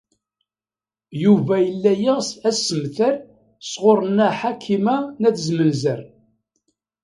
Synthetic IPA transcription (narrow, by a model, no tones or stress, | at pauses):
juvæjəlːæjiʁsæsːəmθæɾ | sʁoɾˤənæħakʰːimænæθəzmənzəɾ